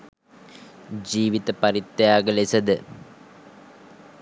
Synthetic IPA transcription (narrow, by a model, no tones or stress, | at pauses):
d͡ʑiːʋit̪ɐpɐɾit̪ːjaːɡəlesɐd̪ə